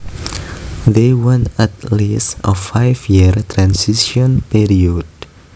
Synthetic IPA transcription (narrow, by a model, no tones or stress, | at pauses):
d̪ewɛ̃nɛt̪lisɔfajfjiərt̪ɾãnsisiɔnpiɾiɔd̚